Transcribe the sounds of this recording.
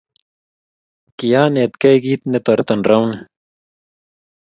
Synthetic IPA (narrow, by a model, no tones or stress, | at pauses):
kijaːnet̪kɐjɡiːt̪net̪oɾt̪ɐnɾɐwn